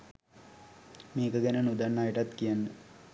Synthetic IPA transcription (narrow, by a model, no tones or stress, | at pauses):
meːkəɡænənud̪anːaːjəʈat̪kijanːə